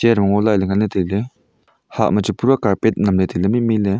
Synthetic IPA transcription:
eɾmaŋolaleŋanet̪ele | ha̰ʔmət͡ʃɯpuɾakaɾpet̪̚namlet̪ilemimile

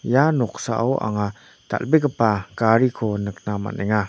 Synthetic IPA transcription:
janɔk̚saʔɔwʔa̰ŋa | t̪a̰lbek̬əpakaɾikʰonək̚nama̰nɛŋa

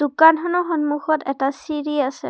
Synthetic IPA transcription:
d̥ukandʱɔnɔxɔnmuxɔtɛtasiɹiasɛ̰

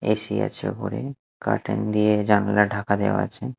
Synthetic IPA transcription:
eʃia̰t͡ɕʰḛpoɾe | kaɾʈend̪ied͡ʑanlaɖʱakad̪ewa̰a̰t͡ɕʰe

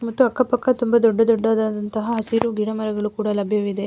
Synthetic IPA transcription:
mɐt̪ːuɐkːɐpɐkːɐt̪umbɐd̪ɔɖːɐd̪ɔɖːaːd̪aːd̪ɐnt̪ɐɦɐɦɐsiɾuɡiɽɐmɐɾɐɡɐɭukuːɽalɐbʱjɐʋid̪e̞

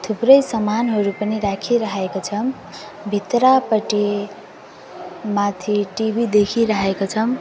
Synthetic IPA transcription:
t̪ʰuprʌjsʌmanɦʌɾupʌniɾakʰiɾʌɦekot͡sʰʌm | bʱit̪rapʌʈi | mat̪ʰiʈibʱid̪ekʰiɾaɦekot͡sʰʌm

